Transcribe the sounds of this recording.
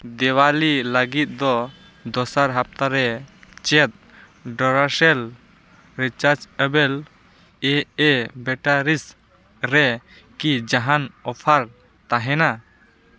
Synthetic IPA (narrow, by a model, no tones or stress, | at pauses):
d̪ɛwaliləɡit̪̚ˀd̪ɔ | d̪ɔsaɾɦap̚t̪aɾɛt͡ʃɛt̪̚ | ɖɔɾasɛl | ɾit͡ʃaɾd͡ʒɛbɛl | ɛɛbɛʈaɾis | ɾɛ | kid͡ʒaɦanɔpʰaɾ | t̪aɦɛna